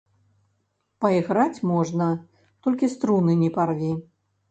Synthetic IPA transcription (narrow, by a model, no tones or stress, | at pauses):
pɐiɣɾat͡sʲmɔʐnɐ | t̪ɔlʲkʲist̪ɾunɨnʲiparvʲi